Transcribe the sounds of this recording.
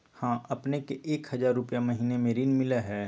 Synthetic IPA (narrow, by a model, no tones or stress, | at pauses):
hãːɐpnekeʔeːkhəzaːɾːʊpjamɐɦiːnemeːɾiːnmɪlaɦɛː